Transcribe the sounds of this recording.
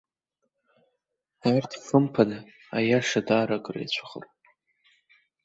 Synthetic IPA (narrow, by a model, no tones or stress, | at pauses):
artʰfɨmpʰana | ajaʂadaːɾakʼrḛjt͡ɕʷʰḁχə̰r